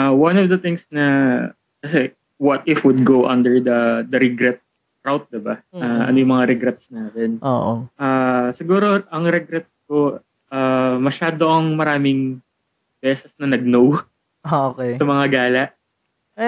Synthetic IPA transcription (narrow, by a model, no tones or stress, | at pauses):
ʔawɐnɔvd̪ɐt̪ɪŋsnɐ | kɐs̬ɛ | wɐt̪̚ɪfwʊd̪̚ɡowʔɐnd̪ɛɹd̪ɐd̪ɐɾɛɡɾɛt̪̚ | ɾawt̪̚d̪ɪbɐaːʔɐ̰nojʊŋmɐŋaɾɛɡɾɛt̪snaːt̪ɛnoʔoʔaːsɪɡuːɾo̞ʔɐŋɾɛɡɾɛt̪̚sko̞ | aːmɐʃaːd̪oʔɐŋmɐɾaːmɪŋ | bɛːsɛsnɐnɐɡ̚now | aokɛsɐmɐŋaɡaːlɐʔ